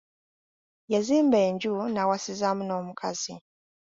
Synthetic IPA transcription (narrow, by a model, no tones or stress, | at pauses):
jaziːmbɛɲd͡ʒunawasizamunɔmukʰazi